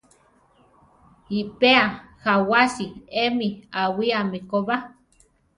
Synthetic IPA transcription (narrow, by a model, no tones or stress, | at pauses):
ipeahawasiemiawiamikoβa